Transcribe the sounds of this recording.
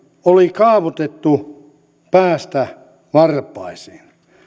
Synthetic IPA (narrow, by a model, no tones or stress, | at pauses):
olikɑːʋot̪et̪ːu | pæːst̪æ | ʋɑrpˑɑisiːn